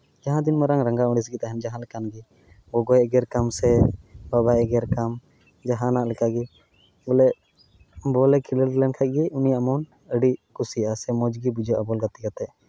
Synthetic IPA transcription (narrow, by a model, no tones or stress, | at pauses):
d͡ʒaɦãd̪inmɛɾaŋɾəŋɡaũɽis̬ɡit̪aɦɛmd͡ʒaɦãlɛkanɡi | bɔɡɔjɛɡɛɾkamsɛbabajɛɡɛɾkam | d͡ʒaɦãnaʔlɛkaʔɡi | bɔlɛʔ | bɔlɛkʰiləllɛnkʰac̚ˀɡiʔunijaʔmɔn | əɖiʔkusijʔasɛmɔd͡ʒɡibud͡ʒɔʔabɔlɡat̪iɡat̪ɛʔ